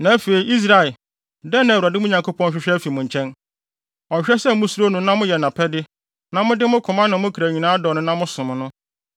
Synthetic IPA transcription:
nã˨˦fe˨i˨˦ʔi˦s̬ɾa˨ɛ˨ | dɛ˦nːã˨wu˨a˨dɪ˦mʊ̃˦ɲã˨ŋkʰo˦pʰɔ̃˦n˦ɕᶣɪ˦ɕᶣɾɛ˦fi˨mʊ̃˨ɲ˨t͡ɕʰɛ̃˦n | ɔ˨ɕᶣɾɛ˦sɛ˦mʊ̃˦su˦ɾo˦nʊ̃˦nã˦mʊ̃˦jɛ˨nã˨pʰɛ˦dɪ˦ | nã˦mʊ̃˦dɪ˦mʊ̃˦kʰʊ̃˨mã˦nã˨mʊ̃˦kʰɾæ˨ɲĩ˨nãː˦dɔː˨nʊ̃˦nã˦mʊ̃˦sʊ̃˨mʊ̃˨nʊ̃˦

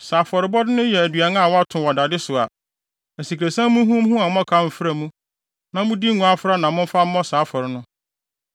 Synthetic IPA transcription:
saː˨fɔ˨ɾɪ˨˦bɔ˦dɪ˦nʊ̃˦jɛ˨æ˨dɥa˨nã˦a˦˨wɔ˦a˦tʰʊ̃˨wɔ˨da˨dɪ˦sʊ˨a̰˨ | æ˨si˨kʰɾe˨sã˦mũ˦ɦũ˦m˦ɦũ˦ã˨m˦ɔ̃˦kʰa˦m̩˨fɾa˨mũ˦ | nã˨mʊ̃˦di˦ŋʊ̃˨˦a˦fɾa˦nã˨mʊ̃˦m˦fa˦m̩˦mɔ̃˦saː˨˦fɔ˨ɾɪ˨nʊ̃˦

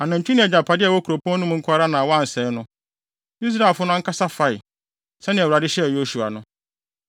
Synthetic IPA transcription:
a˨nã˨ɲ̩˨t͡ɕʰᶣũ˦nɪ̃˨ɛ˨d͡ʑa˨pʰa˨dɪ˦ɛ˨wɔ˦kʰu˨ɾo˨pʰɔ̃˦nʊ̃˦m˦ŋ̩˦kʰʊ˦a˦ɾa˦nã˨wɔ˦a˦˨n̩˨sɛ˨˦nʊ̃˦ | i˦s̬ɾa˨fʊ˦nʊ̃˦ŋ̩˦kʰa˦sa˦fa˨ɪ˨ | sɛ˦nɪ̃˨ɛ˨wu˨ɾa˨dɪ˦ɕɛ˦˨jo˦su˨a̰˨nʊ̃˦

